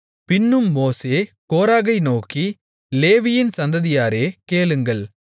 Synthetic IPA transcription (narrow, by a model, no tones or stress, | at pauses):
pɪnːɯmːoːseːkoːɾaːɣɐɪnoːki | leːʋɪjɪnsɐnd̪ɐðɪjaːɾeːkeːɭɯŋɡɐɭ